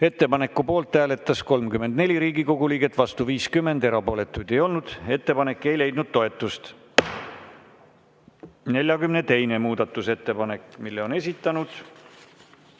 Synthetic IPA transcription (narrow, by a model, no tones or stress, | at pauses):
e̞t̪ːe̞pɑne̞kːˑupo̞ːlt̪ːˑæːle̞t̪ːˑɑsko̞lmkymend̪nelʲiɾiːɡ̥iko̞ɡ̥uliːɡ̥e̞t̪ːˑvɑst̪uviːskymːe̞nd̪e̞ɾɑpo̞ːle̞t̪ːˑujd̪e̞jo̞lnud̪̥e̞t̪ːe̞pɑne̞kːˑe̞jle̞jd̪̥nud̪̥̚t̪o̞e̞t̪ːˑust̪ | ne̞lʲjɑkymne̞t̪e̞jne̞muːd̪̥ɑt̪ːˑuse̞t̪ːe̞pɑne̞kmilːe̞o̞ne̞s̬ʲit̪ːˑɑnud̪̥